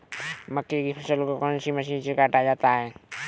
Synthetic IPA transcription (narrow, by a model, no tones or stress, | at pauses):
məkːekipʰɐsəlkokɔːnsiməs̬iːnsikaːʈad͡ʒaːt̪aɦɛː